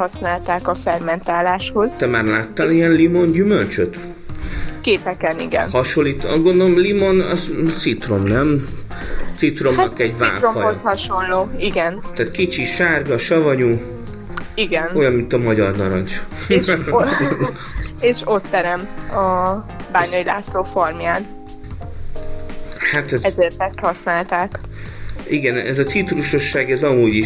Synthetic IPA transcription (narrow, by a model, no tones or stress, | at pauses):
hɒsnaːlt̪aːkɒfɛrmɛnt̪aːlaːʃho̞z̥t̪ɛmaːrlaːt̪ːaliɛnlimo̞nɟymølt͡ʃøt̪ | keːpɛkɛnḭɡɛ̰nhɒʃo̞lːiːt̪ɒ̰zɡo̞nd̪olomlimo̞nɒzsit̪ro̞mnɛm | t̪sit̪ro̞mɒkɛɟva̰ːɾomɒoshɒʃo̞nloːiɡɛnt̪aːt̪kit͡ʃiʃaːrɡɒʃɒvɒɲu | iɡɛno̞jɒnmint̪ɒmɒɟɒrnɒɾɒnt͡ʃ | eːʃo̞t̪ːɛɾɛmɒ | baːɲɒjila̰ːsloːformjaːn | hat̪ɛzɛzeːrt̪ɛst̪hɒsnaːlt̪aːk | iɡɛnɛzɒsit̪ruʃo̞ʃːaːɡɛzɒmuːɟi